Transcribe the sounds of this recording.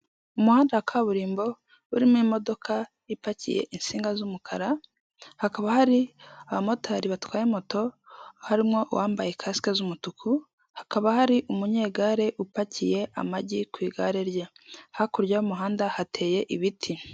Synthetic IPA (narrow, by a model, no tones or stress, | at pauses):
umuhaːndakʰaβuɾiːmbo̞ | uɾimwimo̞do̞kʰa | ipacḭje̞̰ʔinsiːŋɡazumukʰaɾa | hakaβahaɾiaβamo̞taːɾiβatwaːjemo̞to̞haɾimŋo̞ʔwʔaːmbaje̞kʰasi̥kazumutukʰu | hḁkaβahaɾiʔumuɲe̞ːɡaɾe̞ʔupacije̞ʔa̰maɟikwiːɡa̰ɾe̞ɾjahakuɾɟaumuɦaːndahatʰe̞ːje̞ʔiβitʰi